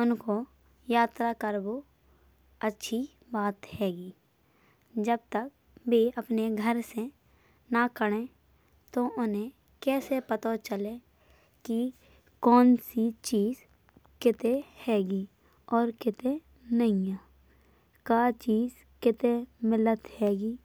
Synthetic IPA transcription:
ʊnko | jaːt̪ɾakəɾbo | ətːʃʰi | baːt̪hɛːɡiː | d͡ʒəb̚t̪ək̚ | beːəpneɡʱəɾse | nakəɽ̃ẽ | t̪oʔʊnɦẽ | kɛːsepət̪ot͡ʃəle | ki | kɔːnsit͡ʃiːz | kɪt̪ehɛːɡiː | ɔːɾkɪt̪e | nəijaː | kat͡ʃiːz | kɪt̪emɪlət̪hɛːɡiː

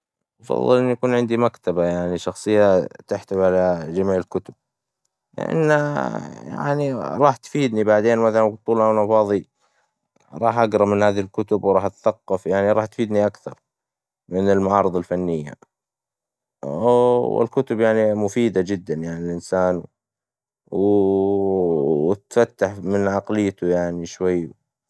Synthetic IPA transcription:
t̪ɑfɑ̰ðˤːɨlʔɪnːjakuːnʕɪnd̪imakt̪abajaʕniʃɑxsˤɨjːat̪ɪħt̪abʕalad͡ʒamiːʕɪlkʊt̪ʊb̚ | lɪ̰ʔa̰nːaja̰ʕniɾˤɑːħt̪fiːd̪nibaʕd̪eːnmaθalanbt̪ˤːuːlawnɑfɑːðˤi | ɾˤɑːħʔaɡɾˤɑmɪnhaːðlkʊt̪ʊbwɾˤɑːħʔat̪ḁθɑqːɑfjaʕniɾˤɑːħt̪fiːd̪niʔakθɑɾˤ | mɪnɪlmaʕɑːɾˤɨðˤɑlfanːɪjːa̰ | wɪ̰lkʊt̪ʊbjaʕnimʊfiːd̪ad͡ʒɪd̪ːanjaʕnilʔɪnsaːn | w | t̪fat̪ːaħmɪnʕɑqlɪjːt̪ʊjaʕniʃwajː

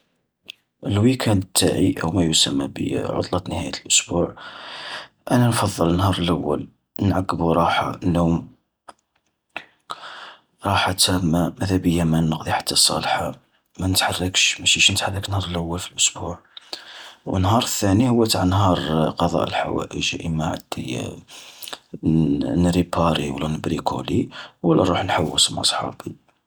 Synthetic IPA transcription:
ʔəlwikʰænt̪ʰːa̰ʕiʔə̰wmæjusæmːæ̰bḭʕʊ̰t̪ˤlɑt̪nəhæ̰jət̪əlʔʊsbuʕ | ʔænænfɑðˤːələnhɑɾˤəlʔæwːə̰l | nʕaɡːəbuɾˤɑħa̰ʔənːʊm | ɾˤɑħat̪æmːamæd̪æbəjːæmænəqd̪ˤiħḁt̪ːɑsˤɑ̰lħa | mænət̪ħarˤːəkʃmæʃiʃnət̪ħarˤːəknhɑɾˤəlʔəwːəlfilʔʊsbuʕ | wə̰nːhɑɾˤəθːænihʊwːæt̪ʕanhɑɾˤqɑd̪ˤɑ̰ʔəlħa̰wæ̰ʔəʒʔəmaʕa̰d̪̥ːḭ | nɾipɑɾiwlːænəbɾikʰṵliwlːæɾˤuħnħawːəsmɑ̰sˤħɑ̰bi

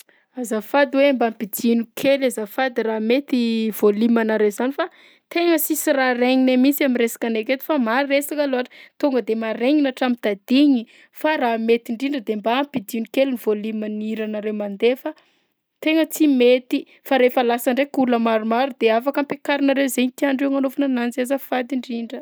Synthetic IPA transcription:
azafad̪iwembampid͡z̪inukʰelazafad̪iramet̪iv̥olimanaɾewzanifa | t̪eŋəsisiraɾeɲinamit͡siamiɾesḁkaneket̪i̥famaɾiesakaloɦaʈ͡ʂə̥t̪uŋɡəd̪emaɾeŋinaʈ͡ʂamit̪ad̪̥iɲi | faɾamet̪iɳɖ͡ʐiɳɖ͡ʐəd̪embaːmpid̪iunikeluniv̥olimaniiɾanaɾewmand̪efa | t̪eŋət͡simet̪i | faɾefəlasaɳɖ͡ʐekuləmaɾumaɾud̪eafakampekaɾinaɾewzeɲit̪iaɳɖ͡ʐeŋanofanananzazafad̪iɳɖ͡ʐiɳɖ͡ʐə

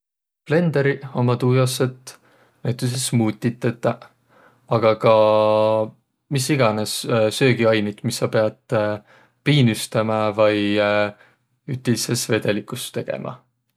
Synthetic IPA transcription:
ple̞nd̪̥eɾiomɑt̪uːjosːet̪ | næjt̪ˑus̬esmuːt̪ʲːit̪ːˑet̪ːˑɑ | ɑɡ̥ɑkɑ | misiɡɑnessø̞ːɡiɑjnit̪misːɑpe̞ɑd̪̥ | piːnyst̪ɑmɑvɑj | yht̪ilisesve̞d̪̥e̞likˑust̪e̞ɡ̥e̞̰mʔɑ̰

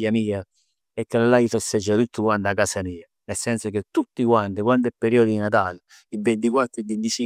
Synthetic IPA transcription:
jamiːa | ɛkːalalaifosɛd͡ʒːat̪ut̪ʰːukwand̪akasamiːa | nɛlsːɛnsok̟et̪ːut̪ːikwant̪əkwand̪ɛpːeɾiɔːd̪id̪inat̪aːl | ibːent̪ikwat̪ːɾid̪ːent̪isi

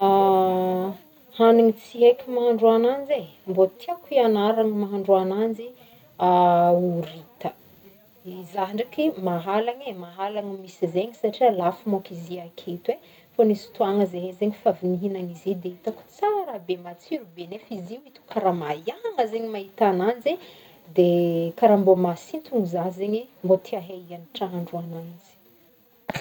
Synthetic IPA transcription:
a | haniŋit͡siɦejkʲimaɦaɳɖ͡ʐuanand͡zembot̪ʰiakuianaɾaŋmaɦaɳɖ͡ʐuanand͡ʒi | auɾit̪ə | zaɦɳɖ͡ʐakimaɦalaŋemaɦalaŋmisizeɲisaʈ͡ʂialafumakiziakʰet̪we | fonisi̥t̪uaŋəzeɦezeɲifaviniɦinaŋizid̪eit̪aku̥t͡saɾabemat͡siɾubenefiziuit̪u̥kʰaɾamajaŋəzeɲimaɦit̪anand͡ze | d̪ekaɾambomasint̪uŋizaɦzeɲimbot̪ʰiaɦeianiʈ͡ʂaɦaɳɖ͡ʐuananzi̥

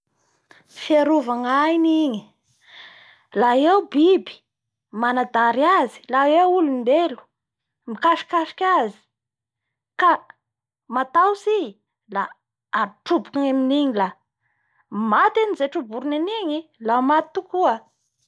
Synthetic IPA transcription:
fiaɾuvaŋajniɲi | laewbibi̥ | manad̪aɾiazi̥laewulunbelu̥ | mikaʃi̥kaʃi̥kʲazi̥ | ka | mat̪awsi | laː | ʈ͡ʂubu̥kuŋaminiɲila | mat̪anizeʈ͡ʂubuɾuniniɲilamat̪t̪ːukuə

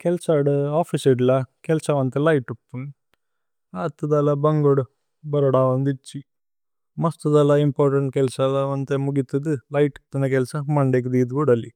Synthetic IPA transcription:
kɛlsaɖaːpʰiseɖlɐkɛlsɐʋɐnt̪elɐjʈupːun | aːt̪ːud̪ɐlɐbɐŋɡoɽu | bɐɾɐɽaːʋɐnd̪it͡ʃːi | mɐst̪ud̪ɐlɐimpaːɾʈɐɳʈ̚kɛlsɐlɐʋɐnt̪emuɡit̪ːud̪ɨlɐjʈt̪ɐnek̬ɛlsɐmɐɳɖeːk̬id̪iːd̪kuːɽɐlːi

